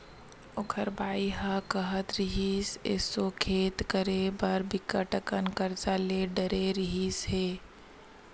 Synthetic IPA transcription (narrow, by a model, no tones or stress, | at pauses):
ʊkʰəɾbaːiɦakəɦət̪ɾɪɦiːsḛsokʰeːt̪kəɾebɐɾbɪkːəʈəkənkəɾsaːleːɖəɾeɾɪɦiːsɦeː